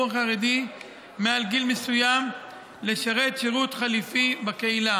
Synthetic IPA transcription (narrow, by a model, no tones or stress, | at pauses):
aχaʁed̪i | mealɡilmesujam | le̞ʃaʁe̞t̪ʃeʁut̪χalifibakeila